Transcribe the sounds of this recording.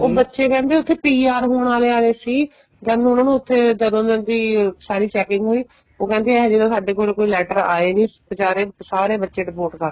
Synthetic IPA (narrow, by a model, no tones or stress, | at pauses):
oːbətːʃeːkɛ̃ːnd̪eːʊt̪ʰːeːpiːaːɾɦoːɽaːleːaːeːsiː | d͡ʒaːnũːnaːnũːʊt̪ʰːeːd͡ʒ̪əd̪õːd̪ənd̪iːsaːɾiːt͡ʃɛːkɪ̃ŋɡɦoːiː | oːkɛ̃ːnd̪eːɛd͡ʒeːd̪õːsaːɖeːkoːlkoːiːlɛːʈəɾa̰ːeːnĩːpət͡ʃaːɾeːsaːɾeːbətːʃeːɖɪpoːʈkəɾe